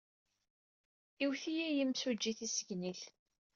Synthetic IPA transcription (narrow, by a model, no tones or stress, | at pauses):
iwθijæjimsud͡ʒːiθisəʝniɬ